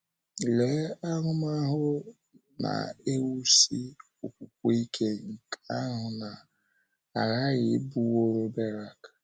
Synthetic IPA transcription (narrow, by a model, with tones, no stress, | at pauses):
le˨˦a˦ŋʊ˦ma˦ɦʊ˦ | na̰˨e˦wu˦si˦ | o˨kʷu˨k̚ʷo˦i˦kʰe˦ŋ̩˨kʰa˦a˦ɦʊ˨na˨ | a˨ɣa˦ɣɪ˨˦bu˦wo˦ɾo˦be˦ɾa˨k